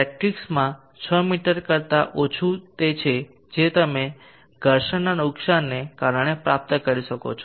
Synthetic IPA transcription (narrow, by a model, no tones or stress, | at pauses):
pɛk̚ʈiksmã | t͡ʃʰəmiʈəɾkəɾt̪aʔot͡ʃʰut̪et͡ʃʰe | d͡ʒet̪əme | ɡʱəɾʃənanʊksanːekaɾəɳ̃epɾap̚t̪əkəɾiʃəko̰t͡ʃʰo